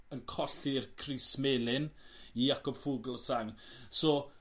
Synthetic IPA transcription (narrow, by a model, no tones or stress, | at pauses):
ənkʰɔɬirkʰrismeːlˠɪnijakɔb̥fuɡlˠsaŋsoː